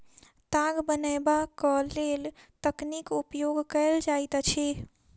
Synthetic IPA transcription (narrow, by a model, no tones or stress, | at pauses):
t̪aɡbənəbakəlelt̪əknikupjoɡkəɪld͡ʒajt̪t͡ʃʰi